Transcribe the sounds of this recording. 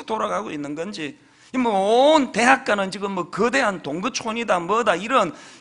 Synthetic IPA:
toɾaɡaɡoinːɯnɡʌnd͡ʑi | imwʌonte̞ɦak̚k͈anɯnt͡ɕiɡɯmːwʌkɯde̞ɦantoŋɡɯt͡ɕʰoɲidamwʌdaiɾʌn

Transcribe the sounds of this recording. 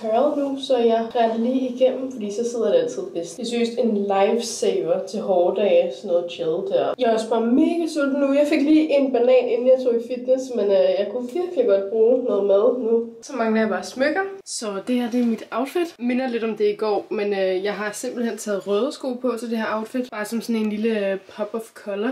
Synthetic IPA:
hʰœɐðˠnusɒ̽jɑ̈ɪʁæd̥liːiɡ̥en̰m̩fɒd̥ḭːsɒ̽seð̰ˠɐjde̝æl̰t͡sʰið̞̰ˠb̥esd̥esysd̥e̝nlɑ̈ɪfseɪʋɐt͡sʰe̝lɦɒːd̥ɛːɪsnːɔ̽ːð̩ˠɕʰeðˠd̥æɐ̰jɑ̈ɒsb̥ɑ̈ːmeːɡ̥əsyl̰d̥nujɑ̈ɪfe̝ɡ̥liːʔe̝nb̥ænɛ̰ːne̝n̩jɑɪt͡sʰo̝̰ːifid̥nesmenøjɑ̈ɪkʰufiɐfieɡ̥ɒ̽d̥̚b̥ʁuːnɔːð̩ˠmæðˠnusɒ̽mɑ̈ŋəæɑb̥ɑ̈ːsmøɡ̥ɐsɒ̽d̥e̝æɐd̥e̝mid̥ɑ̈ʊd̥fid̥me̝nɐle̝d̥ɒ̽md̥e̝iɡ̥ɒ̰ːmenøjɑ̈ɪɦɑ̈se̝mb̥l̩hen̰t͡sʰɛːð̩ˠʁœːð̞ˠsɡ̥o̝̰ːlpʰɒ̽sɒd̥e̝hæɐʔɑ̈ʊd̥fid̥b̥ɑ̈ːsɒ̽msɔ̽ne̝nliləpʰɒ̽b̥ɒfkʰɒlɐ

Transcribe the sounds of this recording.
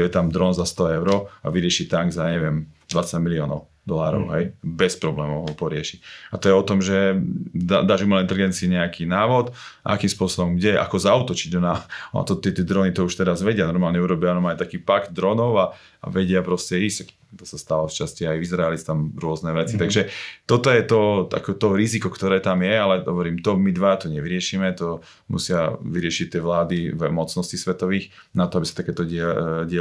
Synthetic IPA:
ɔjɛt̪amd̪ɾɔnzast̪ɔɛʊɾɔa̰ʋiɾɪɛʃit̪aŋɡzaɲɛʋɪɛmd̪ʋat͡saɟmiliɔːnɔʊ | d̪ɔlaːɾɔ̰ʊɦɛjbɛspɾɔblɛːmɔʊɦɔpɔɾɪɛʃicat̪ɔjɛɔt̪ɔmʒɛd̪ad̪aʒimlɛint̪ɛliɡɛnt͡siiɲɛakiːnaːʋɔt̪a̰kiːmspʊɔsɔbɔmɡɟɛʔa̰kɔzaut̪ɔt͡ʃiɟɔnaɔna̰t̪ɔt̪ɪɛt̪ɛd̪ɾɔnit̪ɔuʃt̪ɛɾazʋɛɟɪanɔɾmaːlɲɛuɾɔbɪaanɔmajt̪akiːpaɡd̪̚d̪ɾɔnɔʊa | a̰ʋɛɟɪapɾɔscɛɾisɛk | t̪ɔsast̪aːʋaft͡ʃasciajizɾaɛlit͡st̪amɾʊɔznɛʋɛt͡sit̪aɡʒɛt̪ɔt̪ɔjɛt̪ɔa̰kɔt̪ɔɾizikɔkt̪ɔɾɛːt̪amjɛalɛɦɔ̰ʋɔɾiːmt̪ɔmid̪ʋaat̪ɔɲɛʋiɾɪɛʃiːmɛt̪ɔ | mṵsɪaʋiɾɪɛʃict̪ːɪɛʋlaːd̪ivmɔt͡snɔscisʋɛt̪ɔʋiːx | nat̪ɔabisḁt̪akɛːt̪ɔɛɟɪɛ

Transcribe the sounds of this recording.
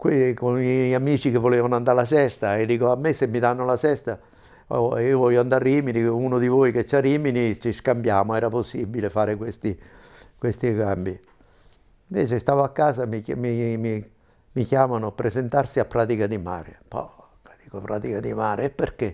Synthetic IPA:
kwikonamiːt͡ʃikevːoleːvanoand̪aɾlasɛst̪aed̪ːiːkoamːesemːid̪anːolasɛst̪a̰ | iːovɔʎːoand̪arːiːminiuːnod̪ivojk̟et͡ʃːaiːminit͡ʃiskambjaːmoɛːɾaposːibilefaːɾɪkwest̪ikwest̪ikambi | iɱvɛ̰ːt͡ʃest̪aːvoakːaːsamimimi | mikjaːmanʊpɾezent̪arsiapːɾaːt̪ikad̪ima̰ːɾḛpɔ̰ | kat̪ikopɾa̰ːt̪ikad̪imaːɾepːerke

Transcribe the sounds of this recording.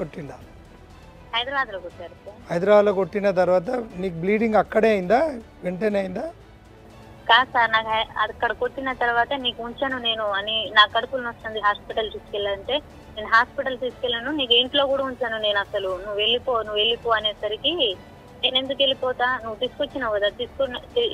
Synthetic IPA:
koʈːind̪aː | hɐjd̪ɾɐbaːd̪loːkoʈːaːɾɐsaːhɐjd̪ɾɐʋaːd̪lokoʈːinɐt̪̬ɐɾuʋaːt̪ɐniːk̬ubliːɖiŋɡɐkːɐɽe̞ːɐjind̪aː | ʋeɳʈenejind̪aː | kaːsaːɾnaːkɐɐ̰d̪ɐkːɐɽɐko̞ʈːinɐt̪ɐɾuʋaːt̪ɐniːkuuɲt͡ʃaːnune̞ːnuɐninaːkɐɽɐpulɐnɐst̪ɐnd̪iɦaːspiʈɐlt̪iːsu̥kɛlːaːɾɐɳʈe̞ː | neːnuɦaːspiʈɐlt̪iːsu̥kɛlːaːnuniːk̬eɳʈlo̞ːkuːɽauɲt͡ʃaːnune̞ːnɐsɐlunuʋeɭːipoːnuʋe̞ɭːipuːɐne̞ːsɐɾiki | ne̞ːne̞nd̪uke̞lipɔːt̪aːnuʋut̪iːsu̥kot͡ʃːinaːʋkɐd̪at̪iːsu̥koi

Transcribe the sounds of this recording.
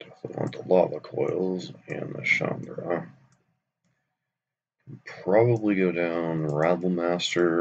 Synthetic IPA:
tʰɨfəɾə̰̃ntʰəlɑvəkʰɔɪlˠzɨ̰̃nðə̰ʃɑ̰̃ndɹə | pʰɹ̥ɑbəbliɡoʊdãʊ̃nɹædl̩ˠmæstə˞

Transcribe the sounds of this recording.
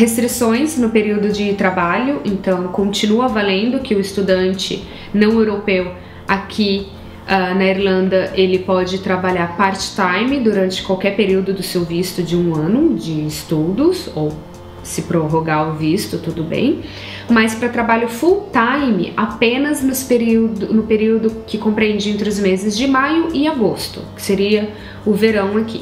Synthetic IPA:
hest̪ɾisõj̃snʊpeɾiwd̪ʊd͡ʒɪt̪ɾabaʎʊʔẽnt̪ɐ̃w̃kõnt͡ʃinuɐvalẽnd̪ʊkɪʊɪst̪ud̪ɐ̃nt͡ʃɪ̰ | nɐ̃w̃ewɾopew | akʲʰi | anɐiɾlɐ̃nd̪ɐʔelɪpɔd͡ʒɪt̪ɾabaʎaɾpaɾt͡ʃɪ̥t̪ajmɪd̪uɾɐ̃nt͡ʃɪ̥kwawkɛɾpeɾiwd̪ʊd̪ʊsewvist̪ʊd͡ʒɪũɐ̃nʊd͡ʒɪːst̪ud̪ʊsow | sɪpɾoɦoɡaʊvist̪ʊt̪ud̪ʊbḛ̃j̃ | mɐspɾɐt̪ɾabaʎʊfuwt̪ajmɪ̰ʔapẽnɐznʊspeɾiwd̪ʊnʊpeɾiwd̪ʊkɪkõpɾiẽnd͡ʒiẽnt̪ɾɪʊzmezɪzd͡ʒɪmajʊʔɪaɡost̪ʊ̰kɪ̥seɾiɐ | ʊveɾɐ̃w̃akʰḭ

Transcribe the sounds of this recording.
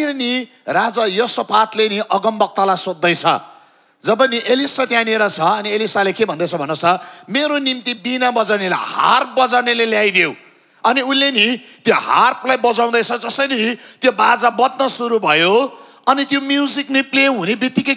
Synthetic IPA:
ini | rad͡zʌjʌsʌpat̪leniʔʌɡʌmbʌk̚t̪ʌlajsod̪ːʌjt͡sʰʌ̰ | d͡zʌbʌniʔelisat̪jãneɾʌt͡sʰʌʌnielisalekebʱʌnd̪ʌjt͡sʰʌbʱʌnot͡sʰʌmeɾonimt̪ibinabʌd͡zawnelaha̰rp̚bʌd͡zawneleljajd̪jew | ʌniunlːenit̪joɦarpʰlajbʌd͡zaw̃d̪ʌjt͡sʰʌd͡zʌsʌjnit̪jobad͡zabʌd̪nʌsuɾubʱʌjo | ʌnit̪jomjud͡ziknipleɦunebit̪ikʌ

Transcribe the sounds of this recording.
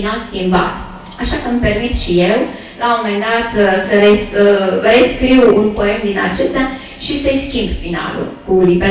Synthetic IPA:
nalskʲimba̰t̪ | aʃakəmpe̞rmit̪ʃijew | lamomend̪at̪əsəɾesəreskɾiwunpo̞e̞md̪ina̰t͡ʃest̪a | ʃisəskʲimbfina̰lṵlkulibe

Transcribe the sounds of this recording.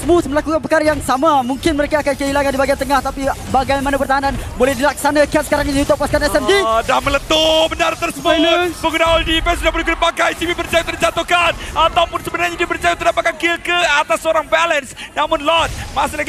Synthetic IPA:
səmusməlakukanp̬əkaɾajaŋsamãmũŋkɪnməɾekaːkankəɦilaŋandibaɡiant̪əŋaht̪apibaɡajmanãpərt̪aɦananbolɛhdilaksanakiat̪̚səkaɾaŋɲiũt̪ʊʔpaskat̪ɛsɛmdidamələt̪omənaɾət̪əɾsəpoləpəɡunaɔldipɛnsudahbolɛkunapakajt̪iwipərt͡ʃajat̪ənət͡ʃat̪okanat̪awupʊnsəbənarɲadipəɾt͡ʃajat̪ədapat̪̚kankilkəat̪asːoɾaŋbɛlənsnamʊ̃nlɔt̪̚masələɡ

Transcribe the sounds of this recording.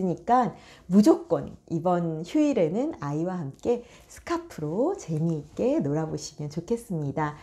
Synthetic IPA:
ɯɲik͈anmud͡ʑok͈̚wʌnibʌnçjuiɾe̞nɯnaiwahamk͈e̞ | sʰɯ̥kʰapʰɯɾot͡ɕe̞miːk͈e̞noɾaboɕʰimjʌnt͡ɕokʰe̞s͈ɯmɲida

